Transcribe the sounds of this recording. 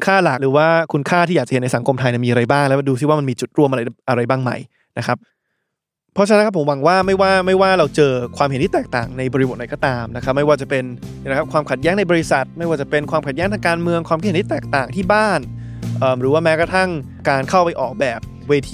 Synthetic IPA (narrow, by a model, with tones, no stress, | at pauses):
kʰaː˥˩la˨˩k̚ɾɯː˩˦waː˥˩kʰu˧nkʰaː˥˩t̪ʰiː˥˩aː˨˩kt͡ɕa˨˩˦n˧jsa˩˦ŋkʰo˧mt̪ʰa˧jn˨˩miː˧ʔa˧ɾa˧jbaː˥˩ŋlɛ˦˥duː˧si˥˩waː˥˩ma˧nmiː˧t͡ɕu˨˩t̪̚ɾu˥˩mʔa˧ɾa˧jʔa˧ɾa˧jbaː˥˩ŋma̰˨˩j | na˦˥kʰa˦˥p̚ | pʰːɔ˦˥t͡ɕa˧n˦˥nkʰpʰːo˩˦mwa˨˦ŋwaː˥˩ma˥˩jwaː˥˩ma˥˩jwaː˥˩ɾa˧wt͡ɕɤː˧kʰwaː˧mhe˩˦nt̪i˥˩t̪ɛː˨˩k̚t̪a̰ː˨˩ŋna˧jbɔː˧ɾi˧bo˨˩t̪̚na˧˩jkɔː˥˩t̪aː˧mna˦˥kʰɾa˦˥p̚ma˥˩jwaː˥˩t͡ɕa˨˩pe˧n˩˨˦kʰa˦˥pkʰwaː˧mkʰa˨˩t̪̚jɛː˦˥ŋna˧jbɔː˧ɾi˦˥sa˨˩t̪̚ma˥˩jwaː˥˩t͡ɕa˨˩pe˧nkʰwaː˧mkʰa˨˩t̪̚ɛ˦˥ŋt̪ʰa˧kaː˧nmɯ˧əŋkwaː˧mk̪ʰht̪ʰi˥t̪ɛː˨˩k̚t̪aː˨˩ŋt̪ʰiː˥˩baː˥˩n | ʔəː˨˩mɾɯː˩˦waː˥˩mɛː˦˥kɾa˧t̪ʰa˥˩ŋ | kaː˧nkʰa˥˩wpa˧jʔɔː˨˩k̚bɛː˨˩p̚ | weː˧t̪ʰː